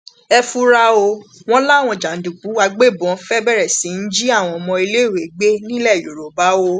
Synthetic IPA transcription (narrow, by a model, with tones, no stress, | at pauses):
ɛ˧fu˧ɾa˧o˧w̃ɔ̃˦la˦˨w̃ɔ̃˧˨d͡ʒa˨n̩˨˦dũ˨k͡pu˨˦a˧ɡ͡be˦˨bɔ̃˨˦fɛ˦bɛ˦ɾɛ˨sĩ˨˦n̩˦d͡ʒi˦a˦˨w̃ɔ̃˧ɔ˧mɔ̃˧i˧le˦˨we˨ɡ͡be˦nĩ˦lɛ˦˨ju˨ɾo˨ba˨˦wo˧˦